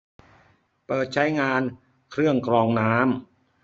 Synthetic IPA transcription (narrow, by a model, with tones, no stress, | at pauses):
pɤː˨˩t̪̚t͡ɕʰa˦˥jŋaː˧n | kʰɾɯ˥˩əŋkɾɔː˧ŋnaː˦˥m